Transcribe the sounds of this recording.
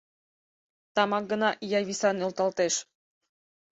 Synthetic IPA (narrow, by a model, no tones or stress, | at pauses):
t̪ɑmɑk̚ɡə̆nɑʔjɑjβisɑnolt̪ɑlt̪eʃ